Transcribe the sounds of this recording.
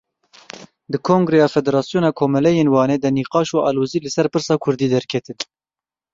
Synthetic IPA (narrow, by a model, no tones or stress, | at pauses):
d̪ɨkʰoːŋɡɾɛjɑːfɛd̪ɛɾɑːsjoːnɑːkʰoːmɛlɛjeːnwɑːneːd̪ɛniːqɑːʃuɑ̰ːloːziːlɨsɛɾpɨɾsɑːkʰʊɾd̪iːd̪ɛɾkʰɛt̪ɨn